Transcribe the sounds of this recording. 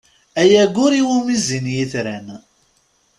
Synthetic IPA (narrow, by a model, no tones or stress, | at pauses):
æjæɡʊɾiwumizinjiθɾæn